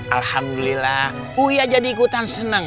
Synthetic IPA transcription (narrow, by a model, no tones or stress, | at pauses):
ʔalhamdulilah | ujad͡ʒadiːkut̪ansənəŋ